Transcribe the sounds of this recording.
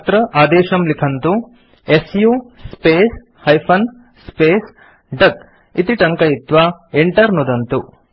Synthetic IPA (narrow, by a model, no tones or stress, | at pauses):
t̪ɾɐʔaːd̪eːʃɐmlikʰɐnt̪u | esjuːspeːs | hɐjpʰɐn | speːs | ɖɐk | it̪iʈɐŋkɐit̪ʋaːeɳʈɐɾnud̪ɐnt̪u